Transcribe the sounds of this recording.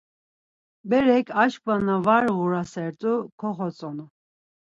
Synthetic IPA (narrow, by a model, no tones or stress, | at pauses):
bɛɾɛkʰaʃk̚vanavaɾɣuɾasɛɾt̪ʼukʰɔχɔt͡sʼɔnu